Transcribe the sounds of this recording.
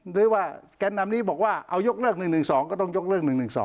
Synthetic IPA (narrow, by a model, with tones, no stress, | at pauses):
ɗɨ˨˧˦waː˧˩ka˧nːa˨˧˨mni˧˥˦ɓɔ˨˩ək̚waː˧˩ʔa˧˩wzo˦˥k̚lɨ˦˧˩ək̚nɨ˨˩ŋnɨ˨˩ŋsɔ˨˦ŋkɔː˨˧˦t̪ŋzo˦˥k̚lɨ˧˥˩ək̚nɨ˨˩ŋnɨ˨˩ŋsɔ̰˨˦